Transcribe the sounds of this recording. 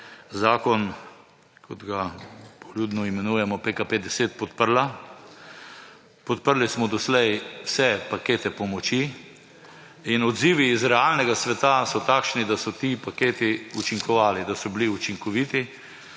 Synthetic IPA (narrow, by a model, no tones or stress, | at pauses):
zaːkɔn | kʰɔd̪ɡapɔluːd̪nɔimɛnuːjɛmɔpekaped̪ɛseːt̪̚pɔt̪̚pəɾla | pɔt̪̚pəɾlismɔd̪ɔslɛjwsɛpakeːt̪ɛpɔmɔt͡ʃi | inɔd̪ziːʋiːzɾɛalnɛɡasʋɛt̪asɔt̪aːkʃnid̪asɔt̪ipakeːt̪iut͡ʃiŋkɔʋaːlid̪asɔbliut͡ʃiŋkɔʋiːt̪i